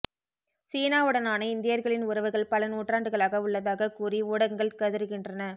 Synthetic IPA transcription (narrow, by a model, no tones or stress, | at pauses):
siːnaːɯɽɐnaːnɐɪnd̪ɪjɐɾɣɐɭɪnʊɾɐʋɯɣɐɭpɐlɐnuːʈraːɳɖɯɣɐɭaːɣɐʊɭːɐðaːɣɐkuːriuːɽɐŋɡɐɭkɐðɯɾɯɣɪndrɐnɐ